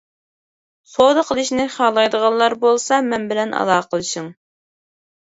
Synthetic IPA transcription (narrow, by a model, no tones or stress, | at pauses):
sod̪əqʰəlˠɨʃnɪχɑːlˠɑjd̪əʁɑnlˠɑɾbolˠsɑmɛnbɪlɛnʔɑ̰lˠɑːqʰəlˠɨʃɪŋ